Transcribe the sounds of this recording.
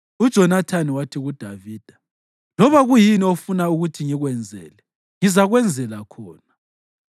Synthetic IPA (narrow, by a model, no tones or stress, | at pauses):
ud̥ʒ̥ʱɔnatʰaniwatʰiɣud̥ʱaviːd̥ʱa | lɔβaɣujiniofunauɣutʰiŋiɣwɛnd͡zʱɛ̰ːlɛ | ŋizaɣwɛnd͡zʱɛlakʰɔːna